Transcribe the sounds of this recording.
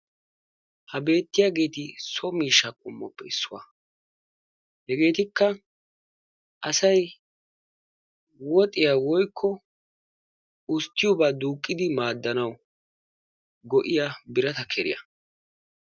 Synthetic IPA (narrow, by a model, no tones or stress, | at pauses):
hɐbe̞ːt̪ːɪjaːɡe̞ːt̪ɪsɔmiːʃːɐkʼʊmːɔpːɛɪsːʊwa̰ | hɛɡe̞ːt̪ɪkːɐ | ʔɐsɐj | wɔt̪ʼɪjawɔjkʰːɔ | ʊst̪ːɪjʊbad̪uːkʼːɪd̪ɪmaːd̪ːɐnɐw | ɡɔʔɪjabɪɾɐt̪ɐkʰɛɾɪ̰jɐ̰